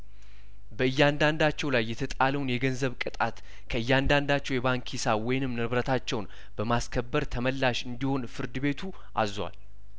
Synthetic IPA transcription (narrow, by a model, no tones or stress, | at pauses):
bəɨjːand̪and̪at͡ʃːɛwlajːɛt̪ʰət̪ʼaləwnjɛɡənzəβkʼɨt̪ʼat̪ | kʰəɨjːand̪and̪at͡ʃːɛwjɛβaŋkʰisawɔjɪnɨmnɨβɾət̪ʰat͡ʃːɛwn | bəmaskʰəbːəɾt̪ʰəməlːaʃɨnd̪iho̞nfɨɾd̪ɨbe̞t̪ʰu | ʔa̰zwa̰l